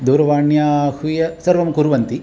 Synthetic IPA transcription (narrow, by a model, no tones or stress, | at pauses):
d̪uːɾɐʋaːɳjaːhujɐsɐɾʋɐmkuɾʋɐnt̪i